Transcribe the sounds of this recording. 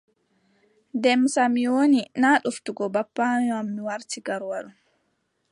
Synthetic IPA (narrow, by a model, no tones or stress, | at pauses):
dɛmsamiwoninaːɗuftuɡɔbapːaɲɔamːiwaɾtiɡaɾwaɗu